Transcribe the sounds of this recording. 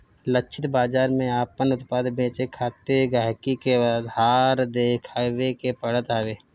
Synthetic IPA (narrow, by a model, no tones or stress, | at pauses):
lət͡ʃʰɪt̪baːd͡ʒaːɾmẽaːpənʊt̪paːd̪bẽːt͡ʃekʰaːt̪eɡaːɦkikead̪aːɾd̪eːkʰaːwekepəɽət̪aːweː